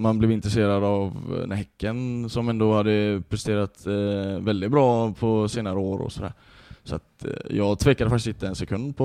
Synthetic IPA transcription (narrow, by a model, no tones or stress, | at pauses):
manblɛvɪnt̪ɾɛseːɾad̪avnɛhɛkːənsɔmɛnd̪ohad̪ːəpʰɾɛst̪eːɾat̪vɛld̪ɪt̪̚bɾɑːpʰɔseːnaɾəoːɾɔ̰sɔd̪æ̰ːɾ | sɔa̰t̪jɑːɡt̪ʰveːkːad̪əfak̪t̪ɪsɪnt̪əɛnsɛkʰɵnd̪pʰɔ